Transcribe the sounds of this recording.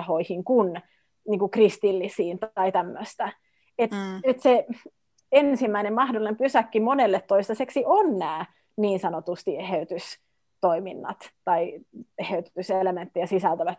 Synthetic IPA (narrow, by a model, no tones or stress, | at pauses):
hoihiŋkun | niːŋkukrist̪ilːisiːnt̪ɑit̪æmːøst̪æ | et̪nyt̪se | ensimːæinemmɑhdolːˑinempysækːimonelːet̪tːoist̪ɑseksiʔonnæː | niːnsɑnot̪ust̪ieheyt̪ys | t̪oiminːɑ̰t̪t̪ɑieheyt̪t̪yselement̪ːiæsisælt̪æʋæt̪